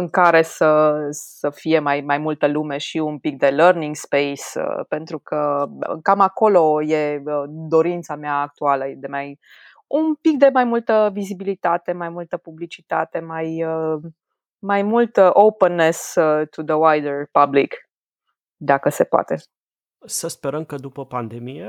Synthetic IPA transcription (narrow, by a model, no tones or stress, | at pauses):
ɨŋkaɾe̞səsəfije̞majmajmult̪əlume̞ʃiumpik̚d̪e̞lərniŋɡspe̞jsə̰pe̞nt̪ɾukʰəkamako̞lo̞je̞əd̪o̞ɾint̪sameaːk̚t̪ualəjed̪e̞maj | umpik̚d̪e̞majmult̪əvizibilit̪at̪e̞majmult̪əpublit͡ʃit̪a̰t̪e̞majə | majmult̪owpənːest̪ud̪əwajd̪ərpablik | d̪akəse̞poa̰t̪e | səspe̞ɾəmkəd̪upəpand̪emije